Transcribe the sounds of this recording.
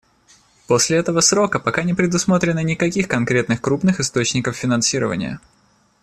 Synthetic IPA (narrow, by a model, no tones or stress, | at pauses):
po̞sʲlʲɪɛt̪əvəsɾo̞kəpɐkanʲɪpɾʲɪd̪ʊsmot̪ɾʲɪnənʲɪkɐkʲixkɐnkɾʲe̞t̪nɨxkɾupnɨxɨst̪o̞t͡ɕnʲɪkəfːʲɪnɐnsʲiɾə̰və̰nʲɪ̰jə̰